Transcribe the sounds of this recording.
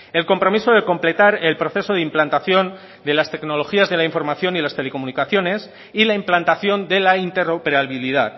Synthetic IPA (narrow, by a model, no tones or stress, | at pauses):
e̞lko̞mpɾo̞miso̞ðeko̞mple̞t̪aɾe̞lpɾo̞θe̞so̞ð̞implant̪aθjo̞n | d̪e̞last̪e̞kno̞lo̞xiazðe̞laiɱfo̞ɾmaθjo̞nilast̪ele̞komunikaθjone̞s | ilaimplant̪aθjo̞nd̪e̞laint̪e̞ropeɾaβiliðat